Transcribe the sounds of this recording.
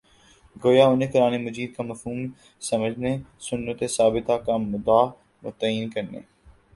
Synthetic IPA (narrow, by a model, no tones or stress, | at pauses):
ɡoːjaʊnẽkʊɾaːnemɐd͡ʒiːd̪̚kamɐfɦuːm | sɐməd͡ʒʱnesʊnːət̪esaːbɪt̪akamʊd̪aː | mʊ̰t̪əiːnkɐɾnḛː